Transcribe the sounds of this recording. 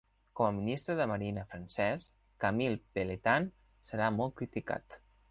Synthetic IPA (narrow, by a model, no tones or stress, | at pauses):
kɔməminist̪ɾəðəməɾinəfɾənsɛs | kamilˠpelet̪an | səɾamɔl̚ˠkɾit̪ika̰t̪